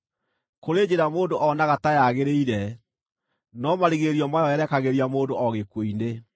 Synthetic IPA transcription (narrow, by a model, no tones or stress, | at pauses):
koɾed͡ʑeɾamoːndoʔɔnaɣatajaɣeɾeiɾɛ | nɔmaɾiɣeɾiɔmajɔɛɾɛkaɣeɾiamoːndoɔɣekwoine